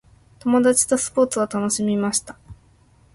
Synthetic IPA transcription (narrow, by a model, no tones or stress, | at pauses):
t̪o̞mo̞d̪at͡ɕi̥t̪o̞sɨ̥po̞ːt͡sɨβat̪ano̞ɕimʲimaɕi̥t̪ḁ